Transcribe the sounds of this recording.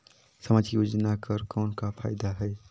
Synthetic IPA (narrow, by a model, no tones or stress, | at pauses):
səmad͡ʒjod͡ʒnakəɾkənkapʰajd̪aɦəɪ